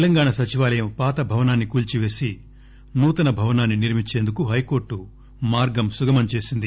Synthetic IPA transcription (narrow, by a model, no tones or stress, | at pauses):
t̪ɛlɐŋɡaːɳɐsɐt͡ʃiʋaːlɐjɐmpaːt̪ɐbʱɐʋɐnaːnːikuːlt͡ʃiʋe̞ːsi | nuːt̪ɐnɐbʱɐʋɐnaːnːiniɾmit͡ʃːe̞ːnd̪ukuɦɐjko̞ːɾʈːu | maːɾɡɐmsuɡɐmɐnt͡ʃe̞ːsind̪i